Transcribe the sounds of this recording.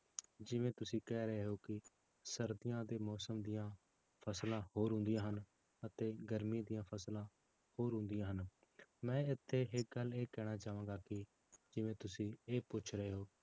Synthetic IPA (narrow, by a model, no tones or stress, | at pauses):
d͡ʒɪʋẽːt̪ʊsĩːkɛːɾəeːɦoːkɪ | səɾd̪ɪjãːd̪eːmɔːsəmd̪ijãː | pʰəslãːhoːɾɦʊ̃nd̪ijãːɦən | ət̪eːɡəɾmiːd̪ijãːpʰəslãː | hoːɾɦʊ̃nd̪ijãːɦən | mɛ̃ːɪt̪ʰːeːɦɪk̚ɡəleːkɛːɽ̃aːt͡ʃaːʋãːɡaːkɪ | d͡ʒɪʋẽːt̪ʊsĩːeːpʊt͡ʃʰɾəeːɦoː